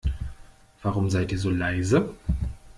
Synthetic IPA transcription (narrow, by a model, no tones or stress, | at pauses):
v̥aːʁʊmzaɪtiːɐzoːlaɪzə